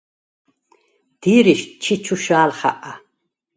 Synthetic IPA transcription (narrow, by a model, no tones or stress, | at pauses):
d̪̥iːɾiʃt͡ʃʰit͡ʃʰuʃaːlχa̰ʔa